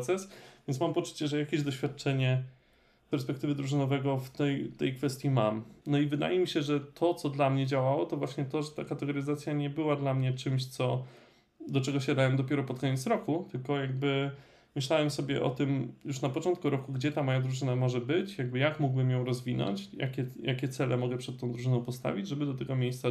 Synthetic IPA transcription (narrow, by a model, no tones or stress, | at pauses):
t̪sɛsvʲjɛnsmampɔt͡ʂu̥t͡ɕɛʐɛjakʲeʑd̪ɔɕfʲjat̪̚t͡ʂɛɲɛ | pɛɾspɛk̚t̪ɘvɘd̪ɾuʐɘnɔvɛɡɔft̪ɛjt̪ɛjkfɛst̪ʲjimamnɔivɘd̪a̰jɛmʲiɕɛʐɛt̪ʰɔt̪sɔd̪lamɲɛd͡ʑawawɔt̪ɔvwaɕɲɛt̪ɔʐɛt̪akat̪ɛɡɔɾɘzat̪sʲjaɲɛbɘwad̪lamɲɛt͡ʂɘmɕt̪sɔ | d̪ɔt͡ʂɛɡɔɕad̪awɛmd̪ɔpʲjɛɾɔpɔt̪kɔɲɛt̪sɾɔkut̪ɘlkɔjaɡ̚bɘ | mɘɕlawɛmsɔbʲjɛ̰ʔɔ̰t̪ɘmjuʂnapɔt͡ʂɔnt̪̚kuɾɔkuɡd͡ʑɛt̪amɔjad̪ɾuʐɘnamɔʐɛbɘt͡ɕjaɡ̚bɘjakmuɡbɘmjɔ̃w̃ɾɔzvʲinɔ̰ɲt͡ɕja̰kʲɛjakʲɛt̪sɛlɛmɔɡɛpʂɛt̪ːɔ̃w̃d̪ɾuʐɘnɔ̃w̃pɔst̪a̰vʲid͡ʑʐɛbɘd̪ɔt̪ɛɡɔmʲjejst̪sa